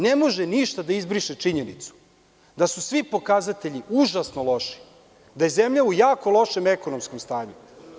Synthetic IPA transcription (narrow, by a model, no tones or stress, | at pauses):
nemo̞ʒeniʃt̪ad̪aizbɾiʃet͡ʂiɲenit̪su̥ | d̪asusʋipo̞kazat̪e̞ʎiuʒasno̞lo̞ʃi̥ | d̪aje̞ze̞mʎaujaːko̞lˠo̞ʃe̞mekonomsko̞mst̪aːɲu